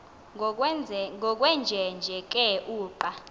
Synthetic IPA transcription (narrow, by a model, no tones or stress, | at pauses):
ŋɔk̬ʼwɛnd͡ʒʱɛnd͡ʒʱɛk̬ʼɛʔuːpʼa